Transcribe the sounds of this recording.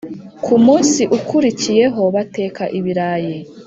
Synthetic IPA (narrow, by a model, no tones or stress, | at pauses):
kʰumuːnsiʔukʰuɾicije̞ɦo̞βate̞ːkaʔiβiɾaje